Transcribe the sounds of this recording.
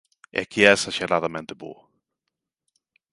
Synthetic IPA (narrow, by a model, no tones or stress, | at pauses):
ɪ̰akiɛsɐʃeɾaðɐmẽnt̪ɪbo̰ɐ